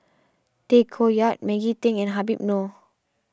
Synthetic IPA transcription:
t̪ekʰojat̚mɛɡit̪ɪ̃ŋɛ̃nɦabip̚no

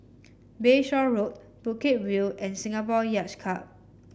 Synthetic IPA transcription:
beʃɔɹot̚ | b̥uket̚wilɛ̃nsĩŋapɔjat͡ʃkʰap̚

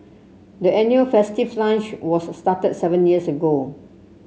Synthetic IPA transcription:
dəɛ̃njuəlfɛstivlãnt͡ʃwɔsːtatət̚sɛvə̃njiəsəɡo

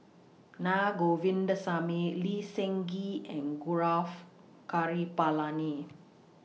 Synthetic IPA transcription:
naɡoʋind̪əsameliseŋɡiɛ̃nɡuɾaf | kaɾipalani

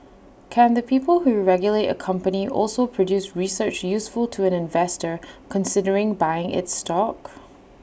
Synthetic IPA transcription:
kʰə̃nðəpʰipəl̩ˠhuɹɛɡjəlˠeʔə̰kʰʌ̃mpəniʔɔ̰lˠsopʰɹ̥ədjʉsɹisɜ˞t͡ʃjʉsfəl̩ˠtʰəə̃nɪ̃ɱvɛstə˞kʰə̃nsɪdə˞ɪ̃ŋbaɪɪ̃ŋʔɪ̰tstɔk

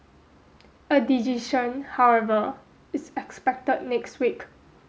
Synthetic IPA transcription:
ədid͡ʒiʃə̃nhawɛvə | ɪsɛkspɛk̚təd̚nɛkstwik

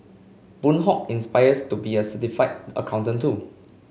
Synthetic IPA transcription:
b̥ũnɦɔk̚ĩnspaɪjəstubiəsətifaɪtə̰kʰãw̃ntə̃ntʰu

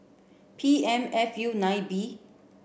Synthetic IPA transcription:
pʰiɛ̃mɛfjunãjbi

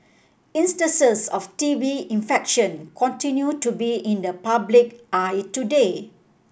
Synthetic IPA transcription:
ĩnstə̃nsəsɔftiviĩnfɛkʃə̃nkʰɔ̃ntĩnjutubiĩndəpablik̚ʔajtude

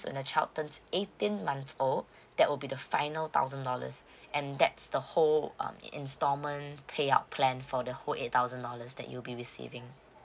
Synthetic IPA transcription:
swɛ̰̃nət͡ʃʰatə̃nsetĩnmãnsol | d̥ɛʔ̚wɪlbidəfãɪnəlt̪ʰa̰ʊzə̃ndɔlə̰s | ɛ̃ndɛtsd̥əhol̰̃mḭ̃nstɔmə̃npʰea̰ʊt̚pʰlɛ̃nfɔdəholʔet̚t̪aʊzə̃ndɔləsdɛ̰ʔjulbiɹisḭvɪ̃ŋ

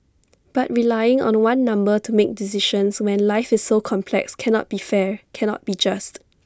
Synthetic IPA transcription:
b̥at̚ɹilajɪ̃ŋɔ̰̃nwãnːãmbətumek̚dis̬iʃə̃nswɛ̃nlaɪfɪsːokʰɔ̃mpʰlɛ̰kskʰɛnɔ̰t̚b̥ifɛkʰɛnɔ̰t̚b̥id͡ʒast

